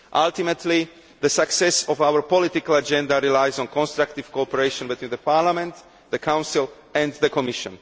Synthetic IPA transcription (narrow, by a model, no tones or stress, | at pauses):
ʔalˠt̪imɛt̪ʰli | ðəsaksɛsɔvaʊəɹpɔlit̪ikalad͡ʒɛ̃nd̪aɾilajzɔ̃nkɔ̃nst̪ɾak̚t̪iv̥kɔɔpɛɹeʃɔ̃nbit̪wĩnðəpʰaːɾlamɛ̃nt̪ | ðəkʰãw̃nsilˠ | ɛ̃nd̪ðəkɔmiʃɔ̰̃n